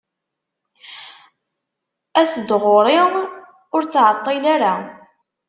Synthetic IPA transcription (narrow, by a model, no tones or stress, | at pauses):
æsəd̪ʁoɾˤi | ʊɾt͡sːʕət̪ˤːilaɾa